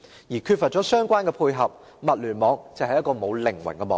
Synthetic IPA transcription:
jiː˨˩kʰyː˧t̚fɐ˨t̚t͡ʃɔː˨˥sœː˥ŋkʷaː˥nkɛ˧pʰuː˧jɦɐ˨p̚ | mɐ˨t̚lyː˨˩nmɔː˨˧ŋt͡sɐ˨whɐ˨jɐ˥tkɔː˧mo˨˧wlɪ˨˩ŋwɐ̰˨˩ŋkɛ˧mɔː˨˧

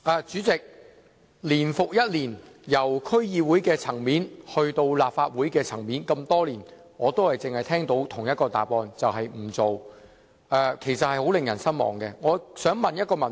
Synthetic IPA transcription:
ʔaː˨˩t͡ʃyː˨˥t͡sɪ˨k̚ | liː˨˩nfʊ˨k̚jɐ˥t̚liː˨˩n | jɐ˨˩wkʰɵ˥ɥjiː˧wuː˨˥jkɛː˧t͡sʰɐ˨˩ŋmiː˨˥nhɵ˧ɥt̪o˧wlaː˨p̚faː˧t̚wuː˨˥jkɛː˧t͡sʰɐ˨˩ŋmiː˨˥nkɐ˧mt̪ɔː˥liː˨˩n | ŋɔː˨˧t̪o˥whɐ˨jt͡sɪ˨ŋhɐ˨jt̪ʰɛː˥ŋt̪o˨˥wt̪ʰʊ˨˩ŋjɐ˥t̚kɔː˧t̪a̰ː˨˩pɔː˧nt͡sɐ˨wɦɐ˨jm̩˨˩t͡so˨w | ʔɛː˨˧kʰe˨˩jsɐ˨t̚hɐ˨jho˨˥wlɪ˨ŋjɐ˨˩nsɐ˥nmɔ̰ː˨˩ŋkɛː˧ŋɔː˨˧sœː˨˥ŋmɐ˨njɐ˥t̚kɔː˧mɐ˨˩n

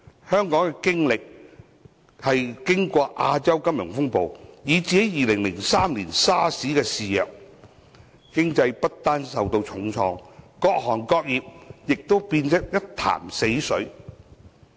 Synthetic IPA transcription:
hœː˥ŋkɔː˨˥ŋkɛ˧kɪ˥ŋlɪ˨k̚ | hɐ˨jkɪ˥ŋkʷɔː˧ʔaː˧t͡sɐ˥wkɐ˥mjʊ˨˩ŋfʊ˥ŋpo˨wjiː˨˧t͡siː˨ke˨˥jiː˨lɪ˨˩ŋlɪ˨˩ŋsaː˥mliː˨˩nsaː˥siː˨˥kɛː˧siː˨˩jɐ̰ː˨˩k̚ | kɪ˥ŋt͡sɐ˧jpɐ˥t̚t̪aː˥nsɐ˨wt̪o˧wt͡sʰʊ˨˥ŋt͡sʰɔː˧ŋkɔː˧k̚ɦɔː˨˩nkɔː˧k̚jiː˨p̚jɪ˨k̚t̪o˥wpiː˧nsɐ˥k̚jɐ˥t̚t̪ʰa̰ː˨˩mse˨˥jsɵ˨˥ɥ

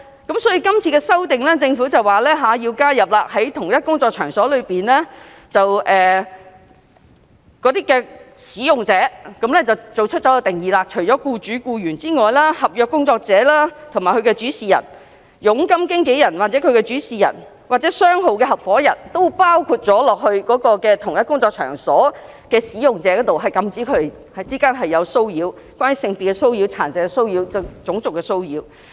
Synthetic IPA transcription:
kɐ˨˥msɔː˨˥jiː˧kɐ˥mt͡sʰiː˧kɛː˧sɐ˥wt̪ɪ˨ŋlɛː˥t͡sɪ˧ŋfuː˨˥t͡sɐ˨waː˨˩lɛː˥ɦaː˨˥jiː˧wkaː˥jɐ˨p̚laː˧hɐ˨˥jt̪ʰʊ˨˩ŋjɐ˥t̚kʊ˥ŋt͡sɔː˧t͡ʃʰœː˨˩ŋsɔː˨˥lɵ˨˧piː˨nlɛː˥ | t͡sɐ˨wʔɛː˨˩ | kɔː˨˥t̪iː˥kːɛː˧siː˨˥jʊ˨ŋt͡sɛː˨˥kɐ˨˧˥mlɛː˥t͡sɐ˨˩wt͡so˨wt͡ʃʰɵ˥t̚t͡sɔː˨˥jt̪ɪ˨ŋjiː˨˧laː˧t͡ʃʰɵ˨˩t͡sɔː˨˥kuː˧t͡syː˨˥kuː˧jyː˨˩nt͡siː˥ŋɔː˨jlaː˥hɐ˨p̚jœː˧kːʊ˥ŋt͡sɔː˧k̚t͡sɛː˨˥laː˥t̪ʰʊ˨˩ŋmaː˨˩jkʰɵ˨˧kɛ˧t͡ʃyː˨˥siː˨˩jɐ̰˨˩n | jʊ˨˥ŋkɐ˥mkɪ˥ŋke˨˥jɐ˨˩nwaː˨t̚t͡sɛ˨˥kʰɵ˨˧ɥkɛ˧t͡ʃyː˨˥siː˨˩jɐ̰˨˩n | waː˨˩t͡sɛː˨˥sœː˥ŋɦo˨wkɛː˧ɦɐ˨p̚fɔː˨˥jɐ˨˩nt̪o˥wpaː˥wkʰu˧t̚t͡sɔː˨˥lɔː˨k̚hɵ˧ɥkɔː˨˥kɔː˧kɛː˧t̪ʰʊ˨˩ŋjɐ˥t̚kʊ˥ŋt͡sɔː˧k̚t͡ʃʰœ̰ː˨˩ŋsɔː˨˥ | kɛː˧siː˨˥jʊ˨ŋt͡sɛː˨˥kɔː˨˥t̪o˨wɦɐ˨˩jkɐ˧mt͡siː˨˥kʰɵ˨˧t̪e˨˩ | hɐ˨t͡siː˥kaː˥nɦɐ˨jːɐ˨˧wso˥wjiː˨˧w | kʷaː˥nyː˧˥sɪ˧ŋpi˨kːɛ˧so˥wjiː˧wt͡sʰaː˨˩nsɛː˨kɛ˧so˥wjiː˨˧wt͡sɐ˨t͡sʊ˨˥ŋt͡sʊ˨kːɛ˧so˥wjiː˧˥w

